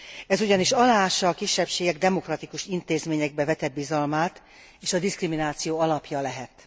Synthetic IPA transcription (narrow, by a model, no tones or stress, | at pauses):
ɛzuɟɒniʃɒlaːʃɒːkiʃːɛpʃeːɡɛɡd̪ɛmo̞krɒt̪ikuʃint̪eːzmeːɲɛɡ̚bɛvɛt̪ɛd̪̚bizɒlmaːt̪ | eːʃɒd̪iskriminaːt̪sijoːɒlɒpjɒlɛɦɛt̪